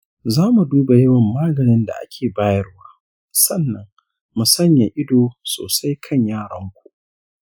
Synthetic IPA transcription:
zaː˦mu˨duː˦ba˨jɐ˦wɐ˨mːaː˦ɡɐ˨nɪ˦nda̰˨ʔa̰˦kʲʰeː˨baː˦jɐ˦ɽwaː˦ | sɐ˦˨nːɐ˨ŋ | mu˨sɐ˦ɲja˨ʔɪ˦doː˨so̰ː˨sa˦jkʰɐ˦˨ɲjaː˦˨ɽɐ˦ŋkʷu̥˨ʔ

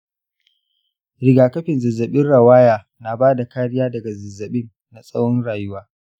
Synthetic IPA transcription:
ɾɪ˨ɡaː˨kɐ˦ɸɪ˨nzɐ˨zːɐ˨ɓɪ˦nɽɐ˨waː˦jaː˨ | na˨baː˦da˨kaː˦ɽɪ˦jaː˦dɐ˨ɡa˨zɐ˨zːɐ˨ɓɪ˦nːa˨sʼɐ˦whɔ˦nɽaː˨jʊ˦waː˦

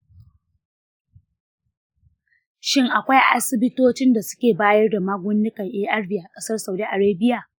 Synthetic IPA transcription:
ʃɪ˦ŋʔa˨kʷa˦jʔa̰˦sɪ˦bɪ˦toː˦t͡ʃɪ˦nda˨sʊ̥˦kʲeː˨baː˦jɐ˦rda˨maː˦ɡʷʊ˦nːɪ˦kɐ˨ŋʔeː˦ʔɐ˦rbɪ˨a˨kʼɐ˦sɐ˦rsa˨wdi˦ʔa˨ɽeː˦bɪ˦ja˨

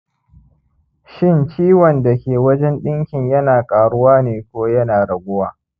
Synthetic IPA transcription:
ʃɪ˦˨nt͡ʃiː˦wɔ˨nda˨kʲeː˨wɐ˦d͡ʒɛ˦nɗɪ˦ŋkʲɪ˨ɲjɐ˦naː˨kʼaː˨ɽʊ˦waː˦neː˨kʷoː˦jɐ˦naː˨ɽɐ˨ɡʷʊ˦waː˨

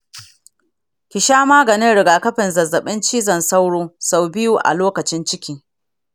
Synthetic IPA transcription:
kʲɪ˨ʃaː˦maː˦ɡɐ˨nɪ˦nɽɪ˨ɡaː˨kɐ˦ɸɪ˨nzɐ˨zːɐ˨ɓɪ˦nt͡ʃiː˦zɐ˨nsa˦wɽoː˦sa˨wbɪ˦juː˨ʔa̰˨loː˦kɐ˨t͡ʃɪ˦nt͡ʃɪ˦kʲiː˦

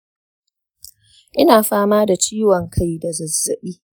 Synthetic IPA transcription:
ʔɪ˦naː˨ɸaː˦maː˦da˨t͡ʃiː˦wɔ˨ŋkʰa˦jda˨zɐ˨zːɐ˨ɓiː˦

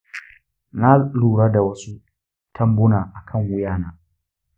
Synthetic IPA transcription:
na˦luː˨ɽa˦da˨wɐ˦su˦ | tʰɐ˦mbʊ˦naː˨ʔa˨kʰɐ˦˨ŋwʊ˦jaː˦˨naː˦

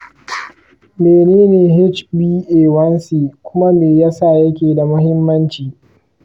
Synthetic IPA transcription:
meː˨neː˦neː˨ɦɪ˦t͡ʃbiː˦ʔeː˨wɐ˦nsiː˨kʷʊ˦ma˦meː˨ja˦sa˦˨jɐ˦kʲeː˨da˨mʊ˦ɦɪ˦mːɐ˦nt͡ʃiː˨

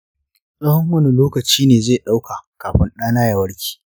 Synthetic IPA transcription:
sʼɐ˦hɔ˦ŋwɐ˦ni˨loː˦kɐ˨t͡ʃiː˦neː˨zeː˦˨ɗa˦wka˨kaː˨ɸɪ˦nɗaː˦naː˦jɐ˨wɐ˦ɽkʲi̥ː˨

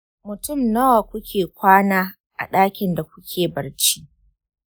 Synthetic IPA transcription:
mʊ˨tʊ˦˨mnɐ˦wa˨kʷʊ˦kʲʰeː˨kʷaː˦naː˦ | ʔa̰˨ɗaː˦kʲɪ˨nda˨kʷʊ˦kʲʰeː˨bɐ˨rt͡ʃi˦

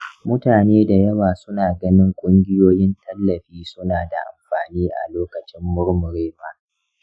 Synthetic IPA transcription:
mʊ˦taː˨neː˦da˨jɐ˦waː˨sʊ˦naː˨ɡɐ˦nɪ˦ŋkʷʼʊ˦ŋɡʲɪ˦joː˦jɪ˦ntɐ˦lːɐ˨ɸiː˦sʊ˦naː˨da˨ʔa̰˨mɸaː˨niː˦ʔa̰˨loː˦kɐ˨t͡ʃɪ˦mːʊ˦ɾmʊ˨ɾeː˦ɸaː˨

